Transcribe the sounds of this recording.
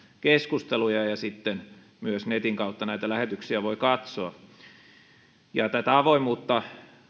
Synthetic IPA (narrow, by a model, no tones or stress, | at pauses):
keskust̪elujɑjɑsit̪ːen | myøsnet̪iŋkɑut̪ːɑnæit̪ælæhet̪yksiæʋoikɑt̪soɑ | jɑt̪æt̪æɑʋoimuːt̪ːɑ